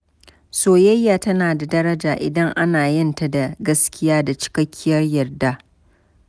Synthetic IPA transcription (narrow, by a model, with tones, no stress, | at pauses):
soː˦jɐ˦jːaː˨tɐ˦naː˨da˨dɐ˦ɾɐ˦d͡ʒaː˨ʔɪ̰˨dɐ˦ŋʔa˦naː˨jɪ˦nta˨da˨ɡɐ˦skʲɪ˦jaː˦da˨t͡ʃɪ̥˦kɐ˦kʲʰːɪ˦jɐ˦rjɐ˨rda˦